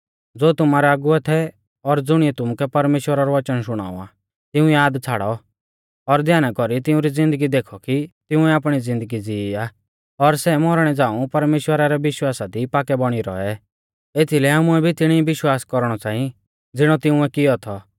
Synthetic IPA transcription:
d͡zoːt̪ʊmaːɾɛaːɡʊɛt̪ʰɛ | ɔɾd͡zʊɽ̃iɛt̪ʊmukɛpɐɾmeːʃwəɾaɾɔʋɐt͡ʃənʃʊɽ̃a̰ːṵa̰ː | t̪ɪũjaːd̪t͡sʰaːɽɔ | ɔɾd̪jaːnakɔɾit̪ɪũɾid͡zɪ̃nd̪əɡid̪eːkʰɔkit̪ɪũɛaːpɽ̃id͡zɪ̃nd̪əɡid͡zɪia | ɔɾsɛmɔɾɽ̃ɛd͡zãːũpɐɾmeːʃwəɾaɾɛʋɪʃwaːsad̪ʱipaːkɛbɔɽ̃iɾɔ̰ɛ | et̪ʰilɛɦaːmuɛbʱit̪ɪɽ̃ibɪʃwaːskɔɾɽ̃ɔt͡sãːĩ | d͡zɪɽ̃ɔt̪ɪũɛkɪjɔt̪ʰɔ

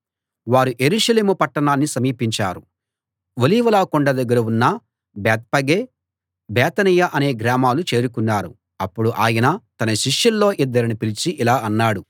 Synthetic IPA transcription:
ʋaːɾuʔe̞ɾuːʂɐleːmupɐʈːɐɳaːnːisɐmiːpiɲt͡ʃa̰ːɾu | ʋoliːʋɐlaːkɔɳɖɐd̪ɐɡːɐɾɐunːɐ | bɛːt̪̚pɐɡeː | bɛːt̪ɐnijɐʔɐne̞ːɡɾaːmaːlut͡ʃe̞ːɾukunːaːɾu | ɐpːuɽuʔaːjɐnɐt̪ɐnɐʃiʂjulːo̞ːʔid̪ːɐɾinipilit͡ʃiʔilaːɐnːaːɽu

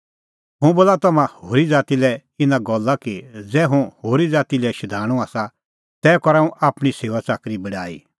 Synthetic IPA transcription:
ɦʊ̃boːlat̪ɐmãhoːɾid͡zaːt̪ilɛɪnãɡɔlːakid͡zɛːɦũhoːɾid͡zaːt̪ilɛʃɐd̪ʱaːɽ̃ũaːsa | t̪ɛːkɔɾaːũʔaːpɽ̃iseːʋat͡saːkɾibɐɽaːḭː

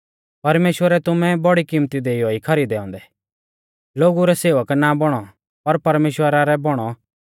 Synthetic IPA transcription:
pɐɾmeːʃwəɾɛt̪ʊmɛ̃bɔɽikimt̪id̪eːiɦoːikʰɐɾid̪ɛːɔ̃ːnd̪ɛ | loːɡuɾɛseːʋəknabɔɽ̃ɔ | pɐɾpɐɾmeːʃwəɾaɾɛbɔɽ̃ɔ

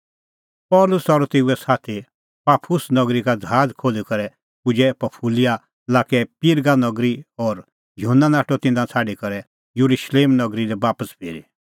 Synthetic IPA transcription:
pɔːlʊsɔɾt̪eːuɛsaːt̪ʰi | paːpʰʊsnɐɡɾikad͡zʱaːd͡zkʰoːlikɐɾɛ | pʊd͡ʒɛpɐpʰulija | laːkɛpiɾɡanɐɡɾiɔɾ | jʊɦənːanaːʈɔt̪ɪ̃nd̪ãt͡sʰaːɖikɐɾɛ | juɾuʃleːmnɐɡɾidɛbaːpəspʰeːɾḭ

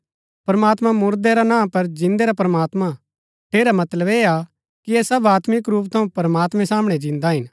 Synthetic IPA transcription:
pɐɾmaːt̪mãmʊɾd̪eɾanãːpɐɾd͡ʒɪ̃nd̪eɾapɾɐmaːt̪ma | ʈʰeːɾamɐt̪ləbeːa | kiɛsɐbaːt̪mɪkɾuːpt̪ʰɐ̃ũpɐɾəmaːt̪mɛ̃saːmɽ̃ɛd͡ʒɪ̃nd̪aɦɪn

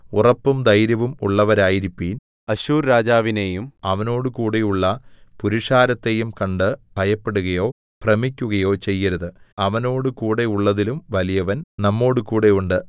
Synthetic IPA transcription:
urɐpːumd̪ɐjɾɐʋumṵɭːɐʋɐɾaːjiɾipːiːn | ɐɕuːrɾaːd͡ʑaːʋinejumɐʋɐno̞ːɽɨkuːɽejuɭːɐpuɾiʂaːɾɐt̪ːe̞jumkɐɳɖɨbʱɐjɐpːe̞ɽuɣɐjo̞ː | prɐmikʲːuɣɐjo̞ːt͡ɕe̞jːɐɾuðɨɐʋɐno̞ːɽɨkuːɽe̞uɭːɐðilumʋɐlijɐʋɐnnɐmːo̞ːɽɨkuːɽe̞juɳɖɨ

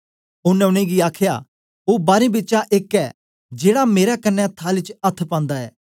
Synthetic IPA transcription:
ʊnːɛ̃ʊɽ̃ẽɡiaːkʰja̰ | oːbaːɾĩbɪːt͡ʃaʔɪkɛː | d͡ʒeːɽameːɾakɐnːɛ̃t̪ʰaːlɪt͡ʃɐt̪ʰpãːnd̪aɛ̰ː

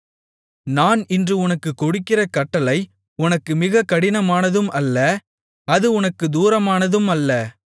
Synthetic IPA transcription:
naːnɪndrɯʊnɐkːɯkːɔɽɯkːɪrɐkɐʈːɐlɐɪ | ʊnɐkːɯmɪɣɐkːɐɽɪnɐmaːnɐðɯmʔɐlːɐ | ɐðɯʊnɐkːɯd̪uːɾɐmaːnɐðɯmɐlːɐ

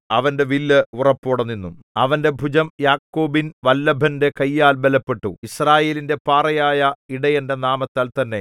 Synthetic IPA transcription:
ɐʋɐnde̞ʋilːɨurɐpːoɽɐnːinːum | ɐʋɐnde̞bʱud͡ʑɐmjaːkːoːbinʋɐlːɐbʱɐnde̞kɐjːaːlbelɐpːe̞ʈːuisraːje̞ːlinde̞paːrɐjaːjɐiɽɐjɐnde̞naːmɐt̪ːaːlt̪ɐnːe̞

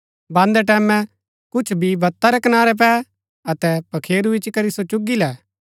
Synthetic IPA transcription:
bãːnd̪ɛʈ̬ɛːmɛ̃ | kʊt͡ʃʰbʱibɐt̪ːaɾɛkɐnaːɾɛp̬ɛː | ɐt̪ɛpɐkʰeːɾuɪt͡ʃkɐɾisot͡ʃʊɡilɛː

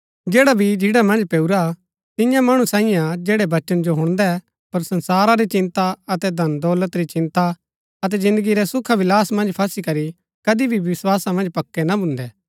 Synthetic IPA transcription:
d͡ʒɛːɽabʱid͡ʒɪɽamɐ̃nd͡ʒpeːuɾa | t̪ɪjãmɐɽ̃ũsãːĩjãd͡ʒɛːɽɛʋɐt͡ʃənd͡ʒoɦʊ̃ɽ̃d̪ɛ | pɐɾsɐ̃nsaːɾaɾit͡ʃɪ̃nt̪aɐt̪ɛd̪ʱɐnd̪ɔːlət̪ɾit͡ʃɪ̃nt̪a | ɐt̪̬ɛd͡ʒɪ̃nd̪əɡiɾɛsʊkʰaʋɪlaːsmɐ̃nd͡ʒpʰɐsikɐɾi | kɐd̪ibʱiʋɪswaːsamɐ̃nd͡ʒpɐkːɛnabʱʊ̃nd̪ɛː

